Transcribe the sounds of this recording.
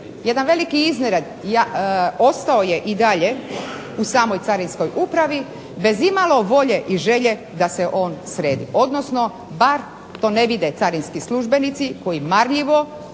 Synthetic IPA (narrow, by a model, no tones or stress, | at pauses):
je̞d̪anʋe̞likiizneɾed̪jao̞st̪aoje̞ʔid̪aʎe̞ | usaːmo̞jt̪saɾinsko̞jʔupɾaʋi | be̞zimalo̞ʋo̞ʎe̞ʔiʒe̞ʎe̞ | d̪ase̞ʔo̞ːnsɾeːd̪ḭʔo̞d̪nosno̞ | baɾ | t̪o̞ːne̞ʋid̪e̞t̪saɾinskislˠuʒbe̞nit̪siko̞jimaɾʎiʋo̞